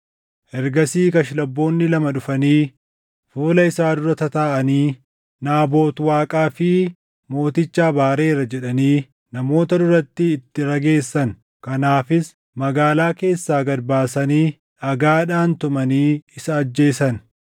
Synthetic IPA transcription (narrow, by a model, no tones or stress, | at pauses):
ʔɛɾɡɐsiːkɐʃɪlɐbːo̞ːnːɪlɐmɐᶑʊfɐniː | fuːlɐɪsaːd̪ʊɾɐt̪ɐt̪aːʔɐniː | naːbo̞ːt̪waːkʼaːfɪ | mo̞ːt̪ɪt͡ʃːaːbaːɾe̞ːɾɐd͡ʒɛᶑɐniː | nɐmo̞ːt̪ɐd̪ʊɾɐt̪ːɪːt̪ːɪɾɐɡe̞ːsːɐn | kɐnaːfɪs | mɐɡaːlaːke̞ːsːaːɡɐɾbaːsɐniː | ʔɐɡaːᶑaːnt̪ʊmɐniːɪsɐːd͡ʒːe̞ːsɐn